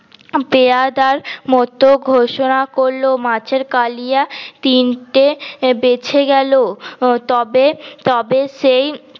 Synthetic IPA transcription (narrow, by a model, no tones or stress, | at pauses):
pead̪aɾmɔt̪oɡʱoʃonakoɾlomat͡ɕʰeɾkalijat̪inʈebet͡ɕʰeɡɛlot̪ɔbet̪ɔbeʃej